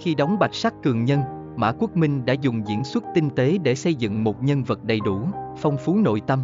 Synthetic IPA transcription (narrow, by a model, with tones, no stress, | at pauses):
xi˧ɗɔ˨˦wŋ͡mɓa˨˩k̚sa˦˥k̚kːɨ˨˩əŋɲə˧n | ma̰ː˧˥ku˦˥ək̚mï˧ŋ̟ɗa̰ː˧˥zʊ˨˩ŋ͡mzḭ˧˥ənswə˦˥t̚t̪i˧ŋt̪e˨˦ɗe˧˩sə˧jzɨ̰˧˨ŋmo˨˩t̚ɲə˧nvə˨˩t̚ɗə˨˩jɗu˧˩fɔ˧wŋ͡mfu˨˦no̰˧˨jt̪ə˧m